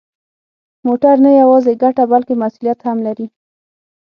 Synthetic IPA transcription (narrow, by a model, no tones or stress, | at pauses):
moʈaɾnajawɑzeɡaʈabalkemasulijat̪hamlaɾi